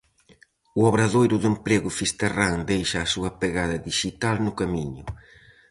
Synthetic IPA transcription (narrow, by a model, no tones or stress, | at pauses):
ʊɔβɾaðojɾʊðʊempɾeɣʊfist̪eraŋd̪ejʃɐːsuɐpeɣaðɐðiʃit̪alnʊkamiɲʊ